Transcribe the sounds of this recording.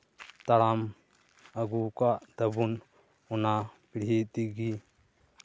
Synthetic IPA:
t̪ɐɽam | əɡukad̪ɐbun | ʊnapiɽ̤it̪iɡi

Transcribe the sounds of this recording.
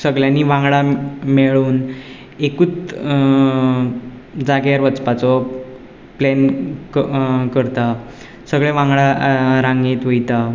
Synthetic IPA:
səɡɭjanːiːʋãŋɡɭameɭuːn | ekuːt͡s | d͡zaɡjaɾʋət͡spat͡sɔ | plenkkəɾt̪a | səɡɭɛʋãŋɡɭaɾãŋɡeːt̪ʋəjt̪a

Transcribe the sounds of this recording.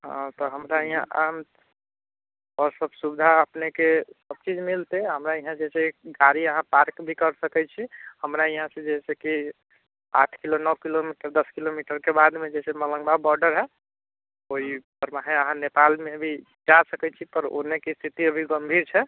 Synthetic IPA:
ɦɔ̰̃t̪ɔɦəmɾaiɦãʔam | ɔɾsəbsubd̪ʱaəpnekesəb̚t͡ʃid͡ʒmilt̪eɦəmɾaiɦãd͡ʒɛseɡaɾiəɦãpaɾkbʱikəɾsəkɛt͡ʃʰihəmɾaiɦãsẽd͡ʒɛseki | a̰ʈʰkilonəwkilomiʈəɾd̪əskilomiʈəɾkebad̪mẽd͡ʒɛsemələ̃ŋbabɔɾɖəɾɦɛ | oɦipəɾmaɦẽəɦãnepalmebʱi | d͡ʒasəkɛt͡ʃʰipəɾo̰nekest̪ʰit̪iəbʱiɡəmbʱiɾt͡ʃʰɛ

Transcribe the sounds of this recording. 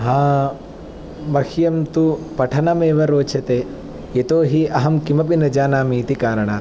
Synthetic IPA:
ɦaː | ʋɐhjɐmt̪upɐʈʰɐnɐmeːʋɐɾoːt͡ʃʰɐt̪eː | et̪oːɦiɐɦɐmkimɐp̬inɐd͡ʒaːnaːmiːt̪ikaːɾɐɳaːɾ

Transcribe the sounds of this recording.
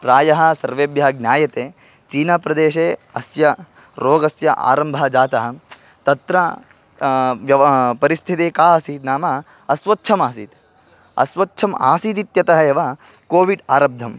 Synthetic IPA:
pɾaːjɐɦɐ̆sɐɾʋeːbjɐɐɡnʲjaːjɐt̪eː | t͡ʃiːnaːpɾɐd̪eːʃeːɐsjɐ | ɾoːɡɐsjɐ̰ʔa̰ːɾɐmbʱɐɐd͡ʒaːt̪ɐɦɐ̆ | t̪ɐt̪ɾɐ | ʋjɐʋpɐɾist̪ʰit̪eːkaːɐsiːt̪naːmɐ | ɐsʋɐtːʃʰɐmaːsḭːt̪ | ɐ̰sʋɐtːt͡ʃʰɐma̰ːsiːt̪it̪jɐt̪ɐɦɐeʋɐ | koːʋiɖaːɾɐb̚d̪ʱɐm

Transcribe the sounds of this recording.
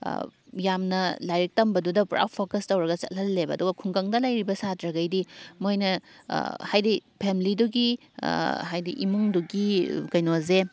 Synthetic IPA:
jamnɐlajɾɐk̚tɐmbɐdudɐpɾa̰wpʰokɐstɐwɾɐɡɐt͡ʃɐ̰t̚lɐlːebɐːduɡɐkʰuŋɡɐŋdɐlajɾibɐsatɾɐɡɐjdimojnɐ̰ | hajdipʰemliduɡḭ | ɦajdiʔḭmuŋduɡikɐjnoze

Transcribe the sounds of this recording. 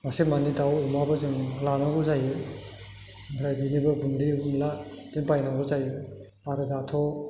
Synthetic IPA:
masemanidawumabɯzɯmlanaɡuzajɯ | bɾajbinibɯbundimla | dinpajnaŋɡɯzajɯ | aɾɯdatʰɔ

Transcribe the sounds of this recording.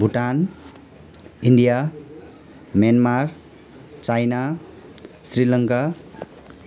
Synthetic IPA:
bʱuʈan | iɳɖija | mjanmar | t͡sajna | srilʌŋka

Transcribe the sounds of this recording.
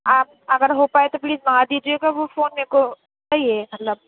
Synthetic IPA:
aːp̚ | ɐɡəɾɦopaːet̪opliːzmɐad̪iːd͡ʒieɡaʋofoːnmẽko | saiemɐt̪ləb̚

